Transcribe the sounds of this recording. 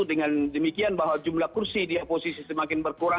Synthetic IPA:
udəŋandəmikianbaɦwad͡ʒumlahkursidiaposisisəmakɪnbərkuɾa

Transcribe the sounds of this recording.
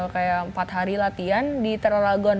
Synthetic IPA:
kajaʔəmpat̪ɦaɾilat̪iandit̪əɾlaɡɔn

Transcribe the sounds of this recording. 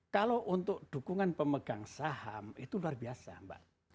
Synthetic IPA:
kaloʔunt̪ʊk̚ɖ̥ṳkuŋanpəməɡ̥aŋsahamit̪uluarbiasa̰mba̰ʔ

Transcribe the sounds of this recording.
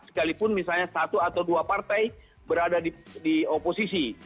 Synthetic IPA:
sə̥kalipʊnmisalɲasat̪uat̪awduapart̪aj | bəɾadadidioposisi

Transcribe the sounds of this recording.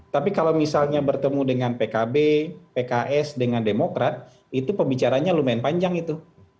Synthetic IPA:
t̪apikalawmisalɲabərt̪əmudəŋanpekabepekaʔɛsdəŋandemokɾat̪̚ | it̪upəmbit͡ʃaɾaɲalumaɪnpaɲd͡ʒaŋit̪u

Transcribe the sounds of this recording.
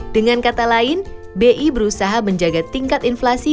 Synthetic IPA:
d̥əŋankat̪alaɪn | beʔibəɾusaɦaməɲd͡ʒaɡat̪iŋkat̪inflasi

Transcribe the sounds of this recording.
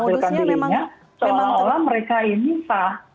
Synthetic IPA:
sʊlkand̪iɾiɲa | sɔlɔolɔməɾekainisah

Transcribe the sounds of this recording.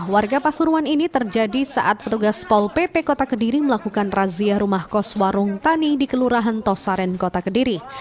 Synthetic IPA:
warɡapasuɾuaninit̪ərd͡ʒadisa̰ʔat̪̚pət̪uɡaspɔlpepekot̪akədiɾiməlakukanraziaɾumahkɔswaɾʊŋt̪anidikəluɾaɦant̪ɔsaɾɛnkot̪akədiɾi

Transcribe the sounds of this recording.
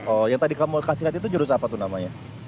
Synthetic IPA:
ɔjaŋt̪adikamukasiɦat̪it̪̬ud͡ʒəɾʊs̬apat̪unamaɲa

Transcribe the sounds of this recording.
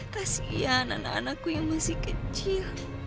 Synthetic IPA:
t̪asjana̰na̰nakijmusikɪt͡ʃi

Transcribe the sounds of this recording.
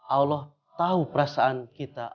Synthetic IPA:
ʔalɔh | t̪aupəɾasaankit̪a

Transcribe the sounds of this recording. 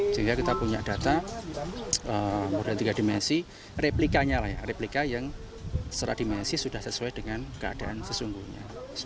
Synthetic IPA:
səɦiŋɡakit̪apuɲa̰ʔd̥at̪a | əmodalt̪iɡadimɛnsi | replikaɲalahja̰replikajaŋ | səɾa̰d̥imɛnsisudahsəsuad̥əŋankəa̰d̥aʔansəsuŋɡuhɲa̰

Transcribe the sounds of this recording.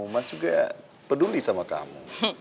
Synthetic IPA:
umad͡ʒuɡa | pədulisamaka̰mṵ

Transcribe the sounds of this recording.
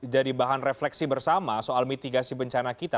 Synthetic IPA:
d͡ʒadibaɦanreflɛksibərsamasoʔalmit̪iɡasibəɲt͡ʃanakit̪a

